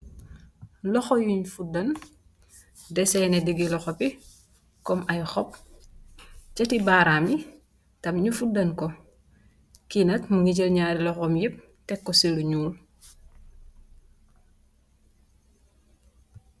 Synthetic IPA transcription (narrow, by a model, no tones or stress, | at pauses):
lɔxɔjuɲfudɐn | dɛsɛnedəɡilɔxopi | kɔmʔɐjxɔp̚ | t͡ʃɐtibaːɾaːmi | tɐmɲufudɐnkɔ | kinɐtmuŋiɟəlɲaːɾilɔxɔmjip̚ | tɛkːoseluɲuːl